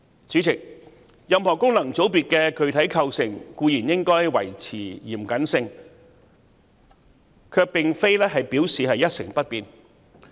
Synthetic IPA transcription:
t͡syː˨˥t͡sʰɪ˨˩k̚ | jɐ˨mhɔː˨˩kʊ˥ŋlɐ˨˩ŋt͡so˨˥wpiː˨t̚kɛː˧kʰɵ˨˧ɥt̪ʰɐ˨˥jkʰɐ˧wsɪ˨ŋkuː˧jiː˨˩njɪ˥ŋkɔː˥jwɐ̰˨˩jt͡sʰiː˨˩jḭː˨˩mkɐ˨˥nsɪ˧ŋ | kʰœː˧k̚pɪ˨ŋfe˥jlɛː˥ɦɐ˨jpiː˨˥wsiː˨ɦɐ˨jɐ˥t̚sɪ˨˩ŋpɐ˥t̚piː˨n

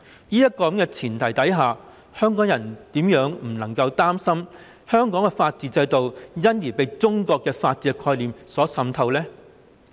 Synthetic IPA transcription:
jiː˥jɐ˥t̚kːɔː˧kɐ˨˥mkɛː˧t͡sʰiː˨˩nt̪ʰɐ˨˩jt̪ɐ˨˥jɦaː˨ | hœː˥ŋkɔː˨˥ŋjɐ˨˩nt̪iː˨˥mjœː˨˥ŋm̩˨˩nɐ˨˩ŋkɐ˧wt̪aː˥msɐ˥m | hœː˥ŋkɔː˨˥ŋkɛ˧faː˧t̚t͡siː˨˧t͡sɐ˧jt̪o˨wjɐ˥njiː˨˩pe˨˧jt͡sʊ˥ŋkɔː˧kːɛː˧faː˧t̚t͡siː˨˧kʰɔː˧jliː˨msɔː˨˥sɐ˧mt̪ʰɐ˧wlɛː˥

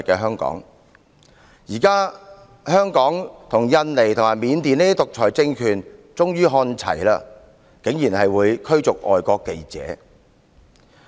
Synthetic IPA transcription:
t̚kːɛː˧ɦœː˥ŋkɔ̰ː˨˥ŋ | jiː˨˩kaː˥ | hœː˥ŋkɔː˨˥ŋt̪ʰʊ˨˩ŋjɐ˧nle˨˩jt̪ʰʊ˨˩ŋmaː˨˩miː˨˧˥nt̪iː˨ne˥i˥t̪ʊ˨k̚t͡ʃʰɔː˨˩jt͡sɪ˧ŋkʰyː˨˩nt͡sʊ˥ŋjyː˥ɦɔː˧nt͡sʰɐ̰˨˩jla̰ː˧ | ke˨˥ŋjiː˨˩nhɐ˨jwuː˨˧jkʰɵ˥ɥt͡sʊ˨k̚ʔɔ̰ː˨jkɔː˧kːe˧jt͡sɛ̰ː˨˥

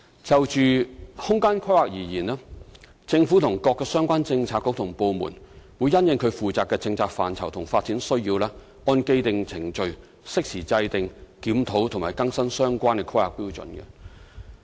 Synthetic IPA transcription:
t͡sɐ˨wt͡ʃyː˨hʊ˥ŋkaː˥nkʰa˥jaː˨k̚jiː˨˩jiː˨˩naː˥ | t͡sɪ˧ŋfu˨˥t̪ʰʊ˨˩ŋkɔː˧kːɛː˧sœː˥ŋkʷaː˥nt͡sɪ˧ŋt͡sʰaː˧t̚kːʊ˧˥k̚t̪ʰʊ˨˩ŋpo˧wmṵ˨˩nwuː˨˧jːɐ˥njɪ˨˧ŋkʰɵ˨˧ɥfuː˨t͡saː˨kːɛː˧t͡sɪ˧ŋt͡sʰaː˧k̚faː˨˩nt͡sʰɐ˨˩wt̪ʰʊ˨˩ŋfaː˧t̚t͡si˨˥nsɵ˥ɥjiː˧wlɛː˥ | ɔː˧nke˥˧jt̪ɪ˨ŋt͡sʰɪ˨˩ŋt͡ʃɵ˨˧ɥ | sɪ˥k̚siː˨˩t͡sɐ˧jt̪ɪ˨ŋkiː˨˥mt̪ʰo˨˥wt̪ʰʊ˨˩maː˨˩kɐ˥ŋsɐ˥ŋsœː˥ŋkʷaː˥nkɛ˧kʰɐ˥a̰ː˨k̚piː˥wt͡sɵ̰˨nkɛ̰˧

